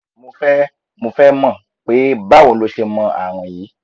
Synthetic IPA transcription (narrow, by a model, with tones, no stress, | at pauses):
mo˧fɛ˦ | mo˧fɛ˦mã˧˨ | k͡pe˨˦ba˦˨wõ˨˦lo˧ʃe˧mɔ̃˧a̰˨w̃ɔ̃˨jiː˨˦